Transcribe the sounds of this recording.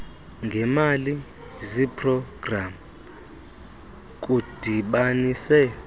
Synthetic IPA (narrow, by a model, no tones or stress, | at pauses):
ŋɡʱɛmali | zipʰʼrɔɡ̥ram | k̬ʼud̥ʱiɓaniːsɛ